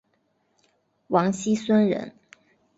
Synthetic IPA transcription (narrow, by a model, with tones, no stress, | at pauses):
wɑ˧˥ŋɕi˥swə˥˦nɻə̰˧˦n